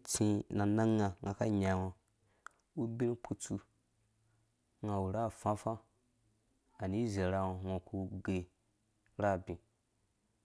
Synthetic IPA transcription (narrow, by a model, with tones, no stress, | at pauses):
t͡sĩ˧na˨na˦ŋa˧ŋa˨ka˦ɲa˨ŋo˧ | u˦bi˦nu˦k͡pʰu˦t͡su˧ | ŋa˧wu˨ɾa˦˨fã˦fã˦ | a˨ni˦ze˨ɾa˧wo˧ŋʷo˧ku˧ɡe˧ | ɾa˦˨bĩ˨